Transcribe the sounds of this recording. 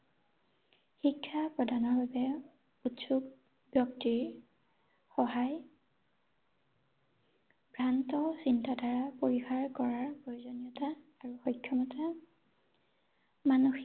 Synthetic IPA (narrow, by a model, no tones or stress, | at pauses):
xikʰːapɹɔdʱanɔɹbabɛ | utsuɡ | b̥jɔktiɹ | xɔɦaj | bʱɹantɔsintadʱaɹapoɹixaɹkɔɹaɹpojuzɔnijɔtaːɹuxɔjkʰːjɔmɔta | manuxi